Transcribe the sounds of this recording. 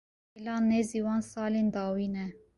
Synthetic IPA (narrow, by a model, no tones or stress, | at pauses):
ilɑːnːeziːwɑːnsɑːleːnd̪ɑːwiːnɛ